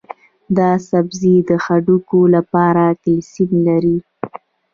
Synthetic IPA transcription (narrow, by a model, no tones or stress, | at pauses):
d̪ɑsabzid̪əxaɖukolapɑɾakɪlsimlaɾi